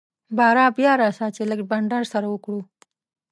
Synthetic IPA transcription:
bɑɾɑbjɑɾɑsat͡ʃeləɡbaɳɖaɾsaɾawəkɽu

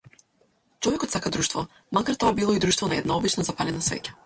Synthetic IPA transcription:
t͡ʃɔvɛkɔt̪sakad̪ɾuʃt̪vɔ | makaɾt̪ɔabilˠɔid̪ɾuʃt̪vɔnaɛd̪naɔbit͡ʃnazapalɛnasvɛ̰cḁ

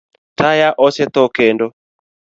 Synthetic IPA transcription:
tajaʔɔsɛt̪ɔkendo

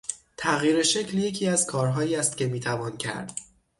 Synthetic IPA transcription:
t̪ʰæɣjiːɾeʃe̞cʰlje̞cʰiːæzkʰɒːɾɦɒːiːæst̪cʰʲe̞miːt̪ʰævɒːncʰæ̰ɾd̪̥

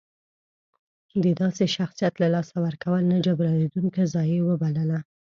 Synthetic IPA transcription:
d̪əd̪ɑseʃaxsijat̪lalɑsawəɾkawəlnad͡ʒabɾaned̪uŋkazɑjewəbalala

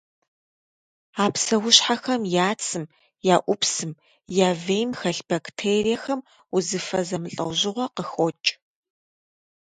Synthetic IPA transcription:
aːpsɐwʊɕħaxɐmjaːt͡sʰɨm | jaːʔʷʊpsɨm | jaːvejmxɐɬb̥ɐktʰeːrijɐxɐm | uzɨfɐzɐmɨɬʼɐ̰wʑɪʁʷɔqəxot͡ʃʼ

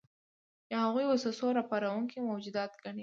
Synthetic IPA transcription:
d̪əhaɣujwosəsoɾɑpɑɾawuŋkimawd͡ʒud̪ɑt̪ɡani

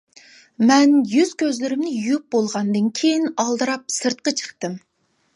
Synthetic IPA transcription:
mɛnjyz̥kʲʰøzlɪɾɪmnɪjyjyp̚bolˠʁɑnd̪ɨnkʲʰejinɑlˠd̪ɨɾɑp̚sɨɾt̪̚qɑt͡ʃʰə̥χt̪ɨm

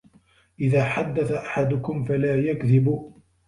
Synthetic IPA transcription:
ʔɪðaːħad̪ːaθaʔaħad̪ʊkʊmfalaːjakðɪbu

